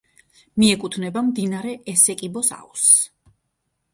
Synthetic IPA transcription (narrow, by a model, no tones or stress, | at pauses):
miɛkʼut̪ʰnɛbamd̪inaɾɛɛsɛkʼibɔsa̰us